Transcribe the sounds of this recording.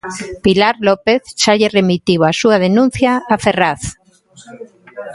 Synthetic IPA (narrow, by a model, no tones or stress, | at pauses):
pilaɾlopeθʃaʎeremit̪iwasuað̞enũn̟θjaːferaθ